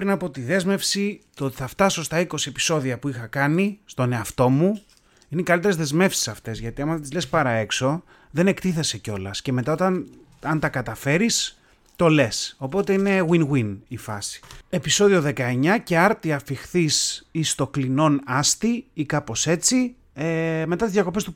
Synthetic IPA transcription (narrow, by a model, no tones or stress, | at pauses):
pɾinɐpot̪iðe̞zme̞fsit̪oot̪i̥θɐft̪ɐso̞st̪ɐiko̞sie̞pi̥so̞ðiɐpuixɐkɐnist̪o̞ne̞ɐft̪o̞mu | inekɐlit̪eɾezðe̞zme̞fsi̥sɐft̪e̞zʝɐt̪iɐmɐt̪izlespɐɾɐe̞kso̞ | ðe̞ne̞kt̪iθe̞se̞co̞lɐsce̞me̞t̪ɐot̪ɐn | ɐnt̪ɐkɐt̪ɐfe̞ɾis | t̪o̞le̞so̞po̞t̪e̞ine̞ɣwinɣwinifɐ̰si̥e̞piso̞ðio̞ðe̞kɐe̞ɲɐce̞ɐɾt̪iɐfixθisist̪o̞klino̞nɐst̪iikɐpo̞se̞t͡si | eme̞t̪ɐt̪izðʝɐko̞pest̪u